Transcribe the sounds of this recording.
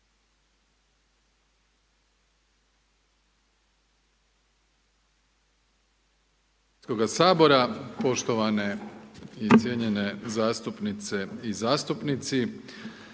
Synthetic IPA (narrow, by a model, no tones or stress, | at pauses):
koɡasaːbo̞ɾapo̞ʃt̪o̞ʋane̞ | it̪sje̞ɲe̞ne̞zaːst̪upnit̪se̞izaːst̪upnit̪si